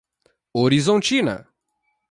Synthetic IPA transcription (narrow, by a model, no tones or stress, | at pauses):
oɾizõnt͡ʃinɐ̰